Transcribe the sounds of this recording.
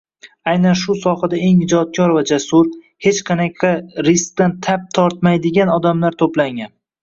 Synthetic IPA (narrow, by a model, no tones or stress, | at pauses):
ajnanʃʊsɒhad̪ae̞ŋɪd͡ʒɒt̪̚kʰʲɒɾvad͡ʒasʊɾ | he̞t͡ʃqʰɑnakʲʰaɾɪsk̚t̪ant̪ʰap̚t̪ʰɒɾt̪̚majd̪ɪɡʲanɒd̪amlaɾt̪ʰoplaŋan